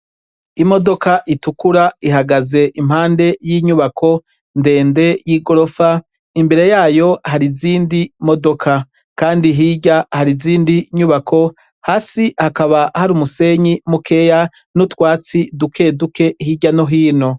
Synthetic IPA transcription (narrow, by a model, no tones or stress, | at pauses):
imo̞do̞kaʔitukuɾaiɦaɡaze̞ʔim̥haːnde̞jiːɲuβakʰo̞ | nde̞ːnde̞jiɡo̞ɾo̞fa | imbe̞ɾe̞jaːjo̞haɾiziːndimo̞do̞kʰa | kaːndiɦiːɟahaɾiziːndiɲuβakʰo̞ | haːsihakaβahaɾumuse̞ɲimukʰe̞ja | nutwaːt͡sidukʰe̞ːdukʰe̞hiːɟanoɦiːno̞